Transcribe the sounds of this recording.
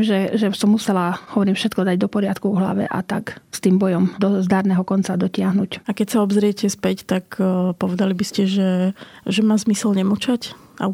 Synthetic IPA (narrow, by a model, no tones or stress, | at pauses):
mʒɛʒɛsɔmːusɛlahɔʋɔɾiːmfʃɛt̪̚kɔd̪aɟd̪ɔpɔɾɪat̪kuɦla̰ʋɛ̰ʔa̰t̪akst̪iːmbɔjɔmd̪ɔzd̪aːɾnɛːɦɔkɔnt͡sad̪ɔcɪaɦnucakɛcsaɔbzɾɪɛcɛspɛct̪akpɔʋɛd̪alibiscɛʒɛʒɛmaːzmisɛlɲɛmut͡ʃac | a̰